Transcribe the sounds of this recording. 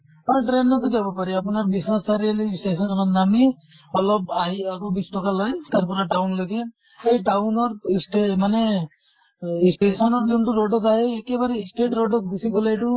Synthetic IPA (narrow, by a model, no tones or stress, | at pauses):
aɾʈɾennɔt̪ɔd͡ʒabɔpaɾiapunaɾbisnasaɾialeisʈesɔnɔkɔnami | ɔlɔbajakobisʈɔkalɔjt̪aɾpɔɾaʈawnloɡe | ejʈawnɔɾsʈemane | isʈesɔnɔɾd͡ʒuntuɾoɖɔt̪aɦeːkebaɾeisʈeʈɾoɖɔt̪ɡusiɡɔlajʈu